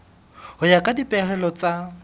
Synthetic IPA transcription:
hʊjakʼadipʼɛɦɛlɔt͡sʼa

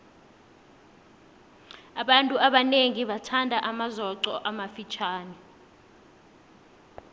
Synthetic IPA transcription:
aɓantʼuaɓaneŋiɓatʰandʱaʔamazɔǀɔʔamafit͡ʃʰaːnɛ

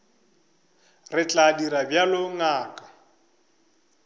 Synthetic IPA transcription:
rɪt͡ɬʼadiɾabjalʊŋaːkʼḁ

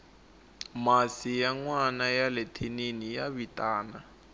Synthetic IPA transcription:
masijaŋwanajalɛtʰeninijaβitʼaːna

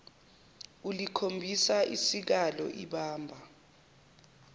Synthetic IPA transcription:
ulikʰombʱisaʔisik̬alɔ̰ʔiɓaːmbʱa

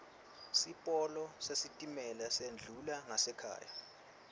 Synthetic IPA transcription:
sipʼɔlɔsesitʼimɛlasend͡ɮʱulaŋasɛkʰa̰ːja

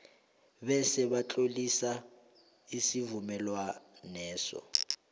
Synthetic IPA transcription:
ɓɛsɛβat͡ɬʼolisa | isivumɛlwanɛːsɔ̰

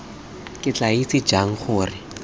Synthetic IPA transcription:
kʼɪt͡ɬait͡sɪ̥d͡ʒaŋ̩χʊːrɪ

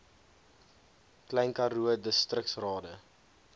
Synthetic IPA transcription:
klɛjnkɐɾuədəstrək̚tsrɑːdə

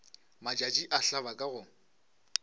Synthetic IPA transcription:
mat͡ʃʼat͡ʃʼiʔaɬabakʼaɣʊ

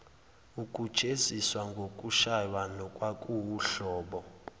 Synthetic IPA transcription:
ukʼu̥ʒ̥ʱʼeziswaŋɡʱokʼuʃajwanɔkʼwakʼuwuɬɔːɓɔ

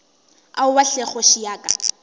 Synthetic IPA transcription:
aʊwaɬɛχɔʃijaːkʼa̰

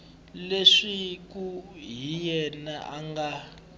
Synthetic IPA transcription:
leʂikuɦijɛnaʔaŋɡa

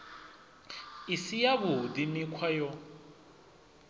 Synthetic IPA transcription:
isijabʊdimikʰwajɔ

